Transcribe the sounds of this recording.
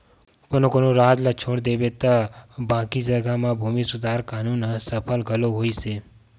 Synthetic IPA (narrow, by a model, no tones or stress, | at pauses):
konokonoɾaːd͡ʒ̪lat͡ʃʰõːɽd̪ebet̪abãːkid͡ʒəɡʱamãbʱuːmisud̪ʱaːɾkaːnunsəpʰəlɡʱəloɦoːise